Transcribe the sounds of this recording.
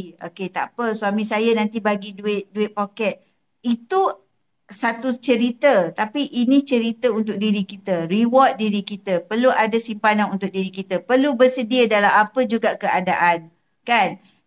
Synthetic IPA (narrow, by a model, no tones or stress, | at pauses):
o̰ket̪a̰pəsuamĩsajənãnt̪ibaɡiduɪt̪̚duɪt̪̚pokɛt̪̚ | it̪u | sat̪ut͡ʃəɾit̪ət̪apiʔinit͡ʃəɾit̪əunt̪ʊk̚diɾikit̪əɾiwɔt̪̚diɾikit̪əpərluadasimpananunt̪ʊk̚diɾikit̪əpərlubəsədiədalamapəd͡ʒuɡaʔkəadaʔan | kan